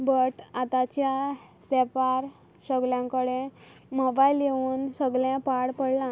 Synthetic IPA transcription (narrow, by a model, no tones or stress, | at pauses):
bəʈat̪at͡ɕja | sɛpaɾ | səɡljãkəɽẽ | mɔbailjeʋuːnsəɡlẽpaɽpəɽlã